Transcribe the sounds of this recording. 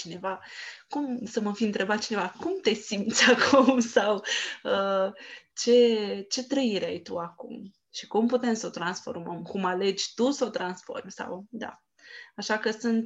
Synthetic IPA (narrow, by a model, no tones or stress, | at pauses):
t͡ʃine̞vakumsəməfiɨnt̪ɾe̞bat̪̚t͡ʃine̞vakumt̪e̞simt̪sʲakʰumsawə | t͡ʃe̞t͡ʃe̞t̪ɾəiɾeajt̪uakṵm | ʃi̥kumput̪e̞msəo̞t̪ɾansfo̰rməmkumale̞d͡ʒʲt̪usot̪ɾansfo̞̰rmʲsa̰wd̪a̰ | aʃakəsɨnt̪